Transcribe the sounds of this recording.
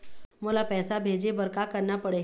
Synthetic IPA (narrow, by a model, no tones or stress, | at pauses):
moːlapɛːsabʱeːd͡ʒebəɾkakəɾnapəɽeː